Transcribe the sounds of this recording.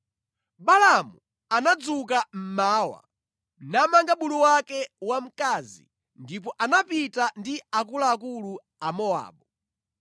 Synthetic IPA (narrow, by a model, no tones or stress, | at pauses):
ɓalamu | anad͡zuk̬am̩maːwa̰ | namaŋɡaɓuluwakɛwam̩kaːzḭ | ndip̬ɔʔanapitandiakulaːkulu | amɔa̰ːɓɔ